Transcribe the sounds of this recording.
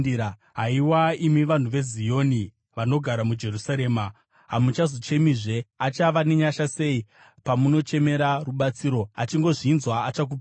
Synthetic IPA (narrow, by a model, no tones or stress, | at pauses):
ɦaiwaimiʋan̤uʋe̞zijo̞ːni | ʋano̞ɡʱaɾamud͡ʒe̞rusaɾe̞ːma | ɦamut͡ʃazo̞t͡ʃe̞miːʐe̞at͡ʃaʋaneɲaʃase̞i | pamuno̞t͡ʃe̞me̞ɾaruɓat͡siɾo̞a̰t͡ʃiŋɡo̞ʐinzwaːt͡ʃak̬up